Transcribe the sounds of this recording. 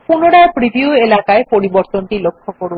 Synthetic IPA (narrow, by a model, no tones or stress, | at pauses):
punoɽapɾibʱiuelakaepoɾiboɾt̪onʈilokʰːokoɾu